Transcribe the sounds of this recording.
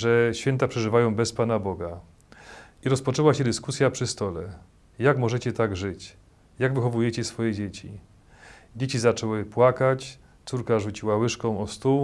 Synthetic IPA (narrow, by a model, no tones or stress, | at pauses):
ʐɛɕfʲjɛnt̪apʂɛʐɘvajɔ̃w̃bɛspanabɔɡa | iɾɔspɔt͡ʂɛwaɕɛd̪ɘskusʲjapʂɘst̪ɔlɛ | jaɡmɔʐɛt͡ɕɛt̪aɡʐɘt͡ɕ | jaɡvɘxɔvujɛt͡ɕɛsfɔjɛd͡ʑet͡ɕi | d͡ʑet͡ɕizat͡ʂɔwɘpwakat͡ɕ | t̪suɾkaʐut͡ɕiwawɘʂkɔ̃w̃ɔst̪uw